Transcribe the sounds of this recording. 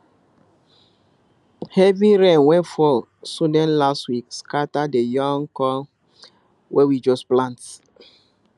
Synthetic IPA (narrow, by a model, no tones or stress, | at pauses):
hɛviɹɛ̃nwɛ̃nfɔl | sudɛ̃nlastwikskatadejɔ̃ŋkɔ | wʔɛwid͡ʒɔsplãnt